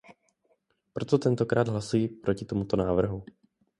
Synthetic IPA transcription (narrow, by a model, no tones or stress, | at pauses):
pɾo̞t̪o̞t̪ɛnt̪o̞kɾaːd̪ɦlasujipɾo̞cɪt̪o̞mut̪o̞naːvr̩ɦu